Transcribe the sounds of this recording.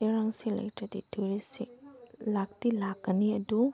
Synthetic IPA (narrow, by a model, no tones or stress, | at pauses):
eɾaŋsilɐ̰jtɾɐdḭtʰuɾisiklak̚tilakːɐniɐdu